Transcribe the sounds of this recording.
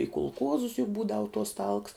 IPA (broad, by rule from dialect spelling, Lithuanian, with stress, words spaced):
ɪ kʊlˠˈkuɔzʊs jʊk ˈbuːdɐʋʊ tuɔs tɐlˠks